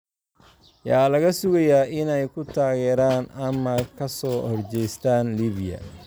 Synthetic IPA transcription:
jaːlɐɣɐsʊɣɐjaːʔɪnɛjkʰʊt̪ʰaːɣɛːɾaːnɐmɐkʰɐsɔːhɔrt͡ʃɛjst̪ʰaːnliːβɪjɐ̰

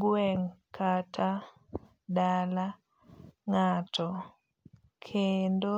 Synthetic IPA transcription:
ɡwɛŋkʰatʰa | dala | ŋatʰɔ | kʰendo

